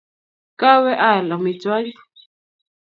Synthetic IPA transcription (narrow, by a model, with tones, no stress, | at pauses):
ka˦wɛ˦ʔa˦˨la˨mi˨t͡swa˦li˦